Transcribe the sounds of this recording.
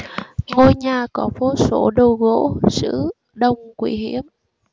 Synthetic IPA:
ŋo˧jɲaː˨˩kɔ˨˦fo˨˦so˧˩˦ɗo˧ɣo̰˧˥sɨ̰˧˥ | ɗə˧wŋ͡mkwi˧˩˦ɦi˧˥˨əm

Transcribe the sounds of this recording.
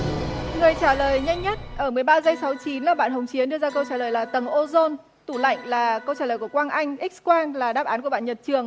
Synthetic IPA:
ŋɨ˨˩əjt͡ɕaː˧˩ləː˨˩jɲa˧jŋ̟ɲə˦˥t̚ʔəː˧˩mɨ˨˩əjɓaː˧zə˧jsa˨˦wt͡ɕi˨˦nlaː˨˩ɓa̰ː˧˨nɦə˨˩wŋ͡mt͡ɕi˨˦nɗɨ˧əzaː˧kə˧wt͡ɕaː˧˩ləː˨˩jlaː˨˩t̪ə˨˩ŋʔo˧zo˧n | t̪u˧˩la̰˧˨jŋ̟laː˨˩kə˧wt͡ɕaː˧˩ləː˨˩ku˧˩əkwaː˧nʔa˧jŋ̟ʔi˦˥k̟̚kwaː˧nlaː˨˩ɗaː˦˥p̚ʔaː˨˦nku˧˩əɓa̰ː˧˨ɲə˨˩t̚t͡ɕɨ˨˩əŋ

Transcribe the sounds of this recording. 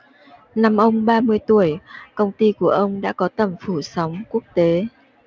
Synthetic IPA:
na˨˧mʔə˧wŋ͡mɓaː˧mɨ˧əjt̪u˧˩əjkə˧wŋ͡mt̪i˧ku˧˩əʔə˧wŋ͡mɗa̰ː˧˥kɔ˨˦t̪ə˧˩mfu˧˩sa˨˦wŋ͡mku˦˥ək̚t̪e˨˦

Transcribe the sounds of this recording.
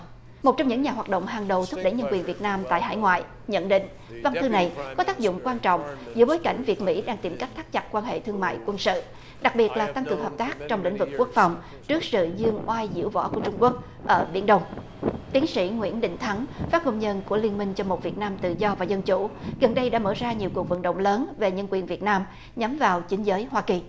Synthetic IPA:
mo˨˩t̚t͡ɕɔ˧wŋ͡mɲɨ̰˧˥ŋɲaː˨˩ɦwaː˨˩t̚ɗo̰˧˨ŋ͡mɦaː˨˩ŋɗə˨˩wt̪ʰp̚ɗe˧˩ɲə˧nkwi˨˩ənvi˨˩ət̚naː˧mt̪a̰ː˧˨jɦa̰ː˧˥jŋwa̰ː˧˨j | ɲə̰˧˨nɗḭ̈˧˨ŋ̟ | va˧nt̪ʰɨ˧na˨˩jkɔ˨˦t̪aː˦˥k̚zʊ̰˧˨ŋ͡mkwaː˧nt͡ɕɔ̰˧˨wŋ͡mzɨ̰˧˥əɓoː˨˦jka̰˧˩jŋ̟vi˨˩ət̚mḭ˧˥ɗaː˧ŋt̪i˨˩mka˦˥k̚t̪ʰaː˦˥k̚t͡ɕa˨˩t̚kwaː˧nhḛ˧˨t̪ʰɨ˧əŋma̰ː˧˨jkwə˧nsɨ̰˧˨ | ɗa˨˩k̚ɓi˨˩ət̚laː˨˩t̪a˧ŋkɨ˨˩əŋhəː˨˩p̚t̪aː˦˥k̚t͡ɕɔ˧wŋ͡mlḭ˧˥ŋ̟vɨ˨˩kːu˦˥ək̚fa˨˩wŋ͡m | t͡ɕɨ˦˥ək̚sɨ̰˧˨zɨ˧əŋʔwaː˧jzḭ˧˥wvɔ̰˧˥ku˧˩ət͡ɕʊ˧ŋ͡mku˦˥ək̚ | ʔəː˧˩ɓḭ˧˩ənɗə˧wŋ͡m | t̪i˨˦ənsḭ˧˥ŋwḭ˧˥ənɗḭ˧˨ŋ̟t̪ʰa˨˦ŋfaː˦˥p̚ho˧mɲə˧nku˧˩əli˧ənmi˧ŋ̟t͡ɕɔ˧mo˨˩t̚vi˨˩ət̚naː˧mt̪ɨ̰˧˨zɔ˧vaː˨˩zə˧nt͡ɕu˧˩ɣə˨˩nɗə˧jɗa̰ː˧˥məː˧˩zaː˧ɲi˨˩əwku˨˩və̰˧˨nɗə̰˧˨wŋ͡mləː˨˦nve˨˩ɲə˧nkwi˨˩ənvi˨˩ət̚naː˧m | ɲa˨˦mvaː˨˩wt͡ɕï˨˦ŋ̟zəː˨˦jɦwaː˧ki˨˩

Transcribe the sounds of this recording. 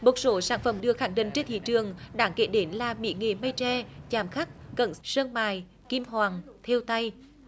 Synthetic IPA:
mo˨˩t̚so˨˦saː˧˩nfə˧˩mɗɨ˧əxaː˧˩ŋɗï˧˨ŋ̟t͡ɕe˧nt̪ʰḭ˧˨t͡ɕɨ˨˩əŋɗaː˨˦ŋke˧˩ɗe˨˦nlaː˨˩mḭ˧˥ŋe˨˩mə˧jt͡ɕɛ˧t͡ɕaː˨˩mxa˦˥k̚kə˧˩nsəː˧ŋmaː˨˩j | ki˧mɦwaː˨˩ŋt̪ʰe˧wt̪a˧j

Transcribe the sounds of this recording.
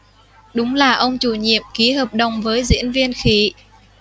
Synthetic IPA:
ɗʊ˨˦ŋ͡mlaː˨˩ʔə˧wŋ͡mt͡ɕu˧˩ɲḭ˧˨əmki˨˦həː˨˩p̚ɗə˨˩wŋ͡mvəː˨˦jzḭ˧˥ənvi˧ənxi˨˦

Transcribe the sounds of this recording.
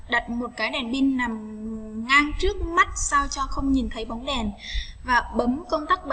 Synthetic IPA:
ɗə˨˩t̚mo˨˩t̚kaː˨˦jɗɛ˨˩nɓi˧nːa˨˩mŋaː˧ŋt͡ɕɨ˦˥ək̚ma˦˥t̚sa˧wt͡ɕɔ˧xə˧wŋ͡mɲi˨˩nt̪ʰə˨˦jɓa˨˦wŋ͡mɗɛ˨˩nvaː˨˩ɓə˨˦mkə˧wnt̪aː˦˥k̚ɓə˨

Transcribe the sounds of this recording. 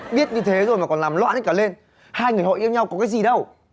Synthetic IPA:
ɓi˦˥ət̚ɲɨ˧t̪ʰe˨˦zo˨˩jmaː˨˩kɔ˨˩nlaː˨˩mlwa̰ː˧˨nʔjkaː˧˩le˧n | haː˧jŋɨ˨˩əjho̰˧˨ʔi˧əwɲa˧wkɔ˨˦kaː˨˦jzi˨˩ɗə˧w

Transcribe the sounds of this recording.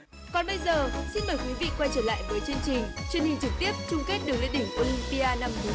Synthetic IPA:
kɔ˨˩nɓə˧jzəː˨˩si˧nɓəː˨˩jkwi˨˦vḭ˧˨kwa˧jt͡ɕəː˧˩la̰ː˧˨jvəː˨˦jt͡ɕɨ˧ənt͡ɕï˨˩ŋ̟t͡ɕwi˧ənhï˨˩ŋ̟t͡ɕɨ˨˩k̚t̪i˦˥əp̚t͡ɕʊ˧ŋ͡mke˦˥t̚ɗɨ˨˩ək̚lḭ˧˨ɗï˧˩ŋ̟ʔo˧li˧mpi˧ʔaː˧na˧mt̪ɨ˨˦

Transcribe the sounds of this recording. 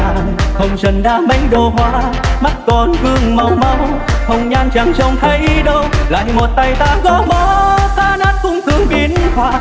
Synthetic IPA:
xə˧wŋ͡mzə˨˩nɗaː˧mə˨˦jɗo˨˩hwaː˧˦ma˦˥t̚kɔ˨˩nvɨ˧əŋma˨˩wma˧w | xə˧wŋ͡mɲaː˧ŋt͡ɕa˧˩ŋt͡ɕɔ˧˩wŋ͡mt̪ʰə˧˦jɗə˧wla̰ː˧˨jmo˨˩t̚t̪a˧˩jt̪aː˧˩kɔ˨˦ɓɔ˨˦t̪aː˧naː˦˥t̚kʊ̰˧˥wŋ͡mt̪ʰɨ˨˧˦əŋɓi˨˦ənhwaː˧˩

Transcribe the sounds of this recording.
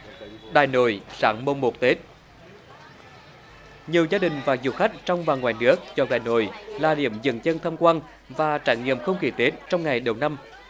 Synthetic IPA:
ɗaː˨˩jno̰˧˨jsaː˧˦ŋmə˧˩wŋ͡mmo˨˩t̚t̪e˨˦˥t̚ | ɲi˨˩əwzaː˧ɗï˨˩ŋ̟vaː˨˩zṵ˨˩xa˦˥k̟̚t͡ɕɔ˧wŋ͡mva˨˩ŋwaː˨˩jnɨ˦˥ək̚t͡ɕɔ˧ɗaː˨˩jno̰˧˨jlaː˨˩ɗḭ˧˩əmzə̰˧˨nzə˧nt̪ʰə˧mkwaː˧n | vaː˨˩t͡ɕaː˧˩jŋḭ˧˨əmxə˧wŋ͡mki˧˩t̪e˨˦˥t̚t͡ɕɔ˧wŋ͡mŋa˨˩jɗə˨˩wna˧m

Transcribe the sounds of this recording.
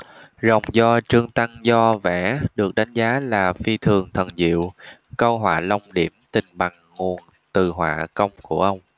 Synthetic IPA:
zə˨˩wŋ͡mzɔ˧t͡ɕɨ˧əŋt̪a˧ŋzɔ˧vɛ̰˧˩ɗɨ˨˩ək̚ɗa˨˦jŋ̟zaː˨˦laː˨˩fi˧t̪ʰɨ˨˩əŋt̪ʰə˨˩nzḭ˧˨wkə˧wɦwa̰ː˧˨lə˧wŋ͡mɗi˧˩əmt̪ï˨˩ŋ̟ɓa˨˩ŋ | ŋu˨˩ən | t̪ɨ˨˩ɦwa̰ː˧˨kə˧wŋ͡mku˧˩əʔə˧wŋ͡m

